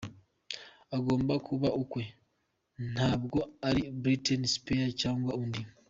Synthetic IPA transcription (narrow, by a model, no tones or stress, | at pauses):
aɡo̞ːmbakʰuβaukwe̞ | n̥haːβɡo̞aɾibɾitenispeacaːŋɡwaundi